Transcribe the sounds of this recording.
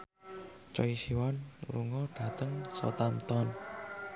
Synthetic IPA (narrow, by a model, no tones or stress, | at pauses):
t͡ʃɔisiwanlṵŋɔɖ̥ä̤t̪əŋsɔ̰t̪ant̪ɔn